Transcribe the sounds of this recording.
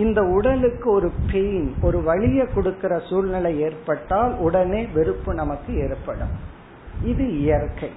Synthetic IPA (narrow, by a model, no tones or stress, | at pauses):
ɪnd̪ɐʊɽɐlɯkːɯɔɾɯpejnɔɾɯʋɐɭɪjɐkːɔɽɯkːɪrɐsuːlnɪlɐɪeːrpɐʈːaːlʊɽɐneːʋɛɾɯpːɯnɐmɐkːɯeːrpːɐɽɯ̰m | ɪðɯɪjɐɾkɐɪ